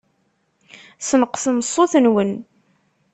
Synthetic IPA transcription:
sənəqsəməsˤːoθənwən

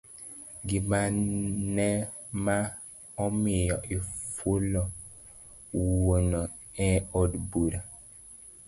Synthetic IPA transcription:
ɡimanɛma | ɔmijɔʔifulɔ | wonɔ | ɛ̃ɔdbuɾa

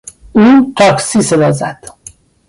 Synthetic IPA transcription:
uːt̪ʰɒksised̪ɒzæd̪̥

